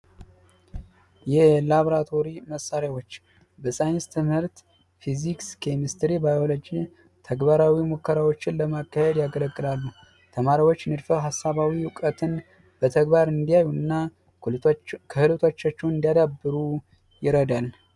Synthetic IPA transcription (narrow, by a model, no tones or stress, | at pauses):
jɛlaβoɾat̪ʰo̞ɾiməsːaɾjawo̞t͡ʃː | bəsajnst̪ʰɨmhɨɾt̪ | fizikskʰemist̪ɾibajo̞lo̞d͡ʒi | t̪ʰəɡbaɾawimokʰːəɾawo̞t͡ʃːɪnləmakːahɛd̪jaɡələkʼːɨlalːu | t̪ʰəmaɾiwot͡ʃːnɨd̪fəwɦasːaβawiwʊkʼət̪ʰɨn | b̥ət̪ʰəɡbaɾɨnd̪ijajuɨnːa | kʰəhɨlɨt̪ʰot͡ʃːat͡ʃːɛwnɨnd̪ijad̪abːɨɾu | jɪɾəd̪al